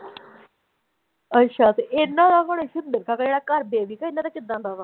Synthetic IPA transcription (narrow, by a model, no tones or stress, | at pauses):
ətːʃʰaːt̪eʔɪnːãːd̪aːkoːɽeʃʊd̪̚mɪɾkʰaːkaeːɽaːkəɾbeːʋiːkaːɪnːãːd̪aːt͡ʃɪd̪ãːnɖaːʋ̪aː